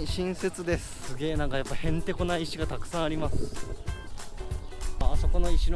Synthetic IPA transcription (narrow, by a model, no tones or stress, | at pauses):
ɕĩɰ̃se̞t͡sɨd̪e̞sɨ̥sɨɡʲe̞ːnaŋɡajapːahẽ̞nt̪e̞ko̞naiːɕiɡat̪akɯ̟̥sãɰ̃aɾʲimasɨ̥ | aso̞ko̞no̞iɕiɾ